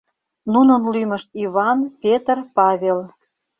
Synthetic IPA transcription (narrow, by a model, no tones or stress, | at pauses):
nunə̆nlymə̆ʃt̪iβɑnpʲet̪ərpɑβʲel